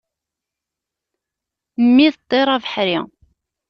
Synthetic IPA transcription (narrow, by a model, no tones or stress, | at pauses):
mːiðd̪ˤːeɾˤavəħɾi